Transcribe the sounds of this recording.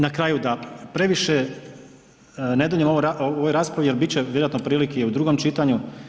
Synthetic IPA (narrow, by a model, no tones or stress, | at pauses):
nakɾaːjud̪apɾe̞ʋiʃe | ne̞d̪uʎemoʋoɾaooʋojɾaːspɾaʋijeɾbit͡ɕeʋjeɾoat̪nopɾiːlikejeud̪ɾuɡomt͡ʃit̪aɲu